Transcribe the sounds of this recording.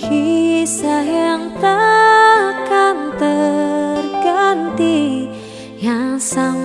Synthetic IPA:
kisaɦɛŋt̪a | kant̪ərɡant̪i | jaŋsaŋ

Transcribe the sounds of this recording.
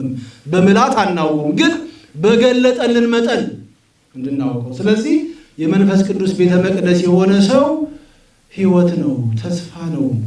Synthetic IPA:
mbəmɨlat̪ʰʼanːawːumɡɨn | bəɡəlːət̪ʼənːɨnmət̪ʼən | ɨnd̪ɨnːawkʼəwsɨləzːih | jɛmənfəskʼɨnd̪usbe̞t̪ʰəməkʼdəsjɛho̞nəsəw | hiwɔt̪nəwt̪ʰəsfanəw

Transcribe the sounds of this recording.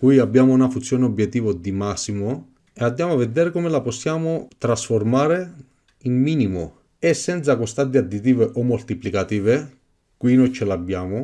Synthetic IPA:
kwiabːjaːmʊunafunt̪sːjoɔːneɔbjɛt̪ːiːvod̪imasːimo | eand̪jaːmʊavːed̪ɛːɾekɔmelaposːjaːmʊt̪ɾasformaːɾe | inmiːnimo | esːɛnt̪sakost̪ant̪̬ead̪it̪iːveʔɔmːolt̪iplikat̪iːve | kwinɔjt͡ʃɪlabːjaːmʊ

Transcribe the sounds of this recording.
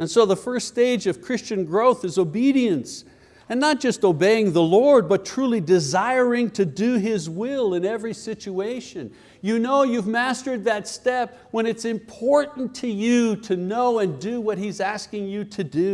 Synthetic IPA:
ɨ̃nsoʊðəfɜ˞steɪd͡ʒʌv̥kʰɹ̥ɪst͡ʃɨ̃nɡɹoʊθɨzoʊbiɾiɨ̃ns | ɨ̃nːət̚d̥ʒ̥ʌstoʊbeɪɪ̃ŋðəlɔɹd̚bʌtʰɹ̥ulˠidɨzaɪ˞ɪ̃ŋtʰɨdɨɪzwɪlˠɪ̃nɛvɹisɪt͡ʃueɪʃɨ̃n | jɨnoʊjʉvmæstə˞d̪̚ðɨtstɛp̚wə̃nɨtsɨ̃mpʰɔɹʔn̩tʰɨjɨɾɨnoʊɨ̃ndɨwʌt̚hizæskɪ̃ŋjɨɾɨdʉ

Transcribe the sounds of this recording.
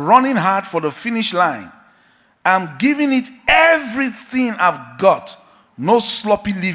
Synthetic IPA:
ɹʌnɪ̃ŋɦad̥fɔðəfĩniʃlãɪ̃n | ãɪ̃mɡivĩŋitɛvɹiθĩŋaɪvɡɔt | noslɔpĩli

